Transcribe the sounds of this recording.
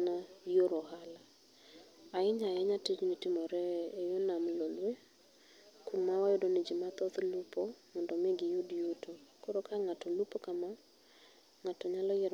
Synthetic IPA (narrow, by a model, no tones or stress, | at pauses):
najoɾoɦala | aɪɲajɛɲatid͡ʒnitɪmɔɾɛːjonamlolwe | kumawajodonid͡ʒimat̪ɔt̪lupɔmɔndɔmeɡɪjudjutʰokoɾokʰaŋatɔlupokama | ŋatɔɲalɔjɛɾ